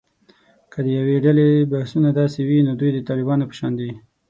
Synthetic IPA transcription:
kəd̪əjaweɖalebahsunad̪ɑsewinod̪ujd̪ət̪ɑlɪbɑnopə̥ʃɑnd̪i

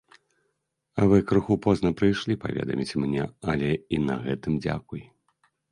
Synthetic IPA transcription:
ɐvɨkɾuxupɔznɐpɾɨjʂlʲipa̰vʲɛ̰d̪ɐ̰mʲit͡sʲmnʲɛ̰ɐlʲɛinɐɣɛt̪ɨmd͡zʲa̰kuj

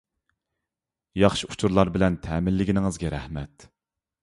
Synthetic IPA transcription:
jɑχʃiu̥t͡ʃʰuɾlˠɑɾbɪlɛnt̪ʰɛːmɪlːɪɡʲinɪŋɨzɡʲɛɾæhmɛt̪

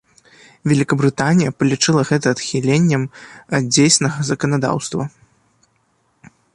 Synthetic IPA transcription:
vʲɛlʲikɐbɾɨt̪anʲijɐpɐlʲit͡ʂɨlˠɐɣɛt̪̬ɐːt̪xʲilʲenʲːɐmɐd̪̚d͡zʲejsʲnɐɣɐzɐkɐnad̪a̰wst̪vɐ

